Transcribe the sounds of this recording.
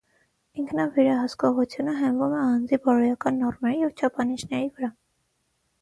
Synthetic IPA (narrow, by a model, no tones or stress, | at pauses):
iŋkʰnɑvɛɾɑɦəskɔʁut͡sʰjunəɦɛmvumɛɑnd͡zibɔɾɔjɑkɑnːɔrmɛɾijɛvt͡ʃʰɑpʰɑnit͡ʃʰnɛɾivəɾɑ